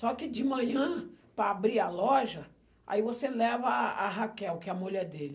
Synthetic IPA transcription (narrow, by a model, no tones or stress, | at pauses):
sɔkɪd͡ʒɪmɐ̃ɲɐ̃pɾɐabɾialɔʒɐ | a̰ivoselɛvɐaɦakɛwkɪɛɐmuʎɛɾd̪elɪ